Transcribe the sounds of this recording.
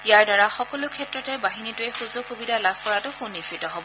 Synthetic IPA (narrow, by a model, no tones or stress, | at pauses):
ijaɹdaɹaxɔkɔlʊkʰɛtɹɔtɛbaɦinitʊɛxuzʊxubidʱalabʱkɔɹatʊxunːisitɔɦɔbɔ